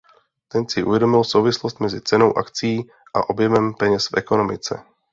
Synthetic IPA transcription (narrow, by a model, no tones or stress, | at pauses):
t̪ɛnsɪʔṵvjɛdo̞mɪlso̞wvɪslost̪mɛzɪt͡sɛno̞wʔakt͡sijiː | ʔaʔo̞bjɛmɛmpɛɲɛsfʔɛkonomɪt͡sɛ̰